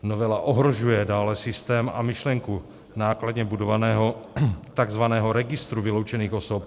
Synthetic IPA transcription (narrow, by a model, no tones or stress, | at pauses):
novɛlaʔoɦɾo̞ʒujɛdaːlɛsɪst̪ɛːma̰mɪʃlɛŋku | naːkladɲɛbudovanɛːɦo̞t̪aɡzvanɛːɦo̞ɾɛɡɪst̪ɾuvɪlo̞wt͡ʃɛniːxo̞sop̚